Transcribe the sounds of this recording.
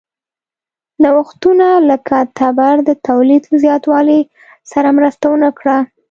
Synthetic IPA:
lawaxt̪unaləkat̪abaɾd̪ət̪awlid̪zjɑt̪wɑli | saɾamɾəst̪awənakɽa

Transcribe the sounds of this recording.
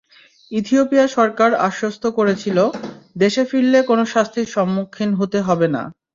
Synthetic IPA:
it̪iopijaʃɔɾkaɾa̰ʃːost̪ʰokoɾet͡ɕʰilod̪eʃefiɽːekonoʃast̪ʰiɾʃɔmːukʰːinɦot̪eɦɔbena̰

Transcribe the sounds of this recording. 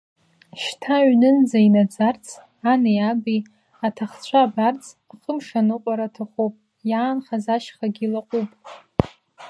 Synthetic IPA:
ʃtʰaɥnɨnd͡zainad͡zart͡sʰʼ | anejabi | atʰaχt͡ɕʷʰabart͡sʰʼ | aχəmʂanɨqʷʼaɾatʰaχʷupʼ | jaːnχazaʃχaɡʲilaqʷʼupʼ

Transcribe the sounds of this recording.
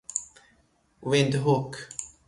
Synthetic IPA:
wɪnd̪ɦuk

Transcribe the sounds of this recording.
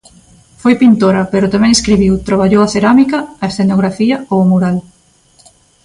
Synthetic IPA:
fojpint̪oɾɐpeɾʊt̪amɛ̃ŋeskɾiβiwt̪ɾaβ̞aʎowɐθeɾamikɐːesθenoɣɾafiɐowamuɾal

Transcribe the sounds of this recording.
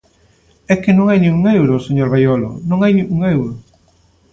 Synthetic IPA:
ɛkɪnõŋajnĩŋuŋewɾʊseɲoɾβajolo̰nõŋajnĩŋuŋewɾʊ

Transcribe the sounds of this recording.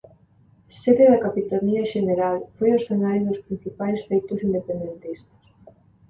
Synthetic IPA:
seðeðɐkapit̪aɾniaʃeneɾalfojosθenajzðospɾin̟θipajsfejt̪ʊsind̪epend̪ent̪ist̪ɐ̥s

